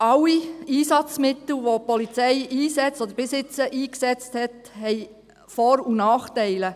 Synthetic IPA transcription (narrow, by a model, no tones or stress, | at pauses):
ɑwiiːsɑt͡smɪt̪l̩ʋopɔlit͡sɛɪiːsɛt͡stɔd̪əɾb̥ɪsɪt͡səʔiːksɛt͡sthɛt | hɛɪ | fɔɾunɑːχtɛɪlə